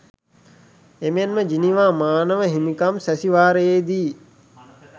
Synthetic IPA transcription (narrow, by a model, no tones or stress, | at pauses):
emenməd͡ʒiniʋaːmaːnəʋəɦimikamsæsiʋaːɾəjeːd̪iː